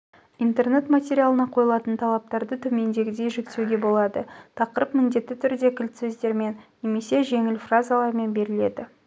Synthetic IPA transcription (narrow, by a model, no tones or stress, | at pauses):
int̪e̞rne̞t̪mat̪ʲeɾʲijalˠənɑqʰo̞jəlˠɑt̪ənt̪ʰɑlˠɑp̚t̪ɑɾd̪ət̪ʰʏme̞nd̪e̞ɡʲɪd̪e̞jʒɪk̚t̪ewɡʲe̞bo̞lˠɑd̪ət̪ʰɑqəɾəpmɪnd̪e̞t̪ːɪt̪ʰʏɾd̪e̞kʲʰɪlt̪sezd̪e̞ɾme̞nːe̞me̞se̞ʒe̞ŋɪlfrazalˠɑɾme̞nbe̞ɾɪle̞̰d̪ɪ